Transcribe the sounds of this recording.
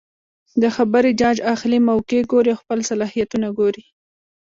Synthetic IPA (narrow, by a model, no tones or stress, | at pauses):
d̪əxabəɾid͡ʒɑd͡ʒaxlimawkeɡoɾiawxpəlsalɑhijat̪unaɡoɾi